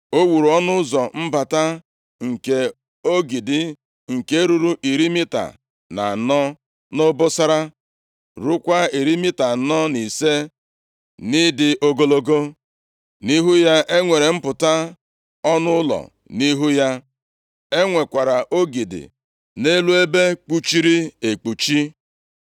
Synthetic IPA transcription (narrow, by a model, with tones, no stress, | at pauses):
o˦wu˨ɾu˨ɔ˦nʊ˦zɔ˨m̩˦ba˨ta˦ | ŋ̩˨ke˨ | o˦ɡi˨dɪ˨ | ŋ̩˨ke˦ɾu˨ɾu˦ʔi˨ɾi˦mi˦ta̰˨ | na̰˨nɔ˦ | nʊ˦bʊ˦sa˦ɾa˦ | ɾu˦kʷa˦i˨ɾi˦mi˦ta˨nɔ˦ni˨se˦ | nɪ˦dɪ˨ʔo˦ɡo˦lo˦ɡo˦ | ni˦ɦu˦ja˦ʔe˦ŋʷe˨ɾe˨m̩˦pʊ˨ta˦ | ɔ˦nʊ˦ʊ˦lɔ̰˨ | ni˦ɦu˦ja˦ | e˦ŋʷe˨kʷa˨ɾa˨ʔo˦ɡi˨dɪ̰˨ | ne˦lu˦e˦be˦k͡pu˦t͡ʃi˦ɾi˦e˨k͡pu˨t͡ʃi˦